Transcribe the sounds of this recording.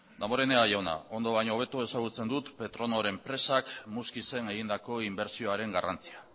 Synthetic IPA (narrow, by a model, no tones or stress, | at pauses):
d̪amoɾe̞neaʝawna̰o̞nd̪oβajɲo̞ːβ̞e̞t̪ue̞saɣ̞ut͡se̞nd̪ut̪pe̞t̪ɾo̞noɾe̞mpɾe̞sakmuskise̞ne̞ɣind̪ako̞imbe̞ɾsio̞aɾe̞ŋɡarant͡sia